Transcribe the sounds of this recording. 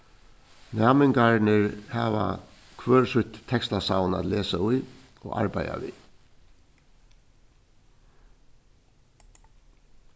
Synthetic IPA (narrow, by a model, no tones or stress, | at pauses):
naːmɪŋkaɹnɪɹhaːʋa̰ | kʰʋœːɹsʊt̪ʰːɛkst̪asaːwna̰t̪leːsaʊj | ɔɣa̰ɹpaja̰ʋḭ